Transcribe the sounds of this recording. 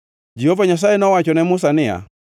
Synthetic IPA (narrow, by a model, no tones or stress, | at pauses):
d͡ʒɛhɔvaɲas̬aɛnɔwat͡ʃɔnɛmus̬ania̰